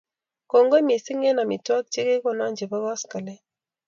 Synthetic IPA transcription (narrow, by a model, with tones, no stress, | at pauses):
ko˨ŋɡo˦mi˨si˦ŋɛ˦na˨mi˨twa˦k̚t͡ʃi˦ke˦kɔ˨na˦˨ɲd͡ʒe˨ba˦ɣa˦ska˨lɛ˦